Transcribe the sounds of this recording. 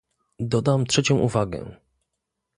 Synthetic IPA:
d̪ɔd̪amt̪ʂɛt͡ɕɔ̃w̃ʔuvaɡɛ̰

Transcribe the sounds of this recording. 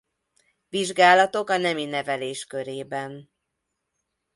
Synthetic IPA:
viʒɡaːlɒt̪o̞kɒnɛminɛvɛleːʃkø̞ɾeːbɛn

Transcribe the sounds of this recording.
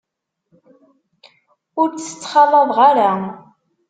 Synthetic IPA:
ʊɾt͡sːə̥t͡sːχɑlˤɑðˤʁaɾa

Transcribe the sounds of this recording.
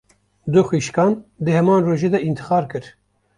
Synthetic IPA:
d̪ʊxiːʃkɑːnd̪ɨhɛmɑːnroːʒeːd̪ɛʔint̪ʰɨ̥xɑːɾkɨɾ

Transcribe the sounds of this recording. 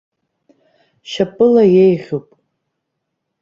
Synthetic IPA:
ʃapʼɨlajejʁʲupʼ

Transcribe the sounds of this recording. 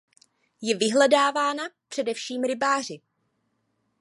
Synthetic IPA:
jɛvɪɦlɛdaːvaːnapr̝̥ɛdɛfʃiːmɾɪbaːr̝ɪ

